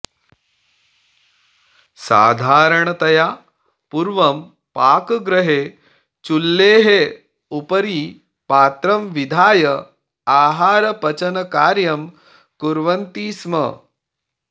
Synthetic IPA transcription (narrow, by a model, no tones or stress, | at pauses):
sa̰ːd̪ʱaːɾəɳ̃ɐt̪ɐjaː | puɾʋɐm | paːkɡɾɐɦeː | t͡ʃulːeːɦe | upɐɾiː | paːt̪ɾɐmʋid̪ʱaːjɐ | aːɦaːɾɐpɐt͡ʃɐnɐkaːɾjɐm | kuɾʋɐnt̪iːsmɐ̰